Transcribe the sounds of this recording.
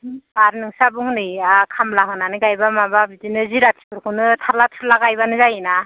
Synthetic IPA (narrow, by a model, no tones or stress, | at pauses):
baɾnɯŋsabɯŋɯnɯakʰamlaŋɯnanɯɡajbamababidinɯziɾatʰi̥pʰɯɾkʰɯnɯtʰaɾlatʰɯɾlaɡajbanɯzajina